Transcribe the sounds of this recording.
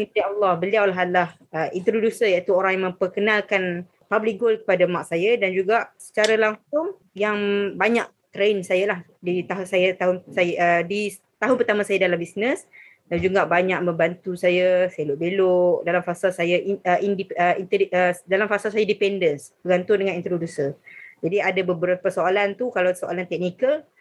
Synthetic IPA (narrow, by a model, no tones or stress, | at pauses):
it̪ialːɑhbəliawlaɦalah | əʔint̪ɾodusərjaʔit̪uoɾaŋjamə̃mpərkənalkan | pablik̚ɡolkə̥padamaʔsajadand͡ʒuɡaʔsə̥t͡ʃaɾalaŋsʊŋ | jaŋbaɲaʔ̚ | t̪ɾensajalah | dit̪aɦsajat̪aɦʊnsajədi | t̪aɦʊnpərt̪amãsajadalambisnəs | dand͡ʒuɡaʔbaɲaʔ̚mə̃mbant̪usajaseloʔbeloʔdalamfasalsajaʔʔindipəint̪əədalamfasalsajadipɛndənsb̥əɡant̪ʊndəŋãnint̪ɾodusəd͡ʒadiadabəbəɾapəsoalant̪ukalawsoʔa̰lant̪ɛk̚nikəl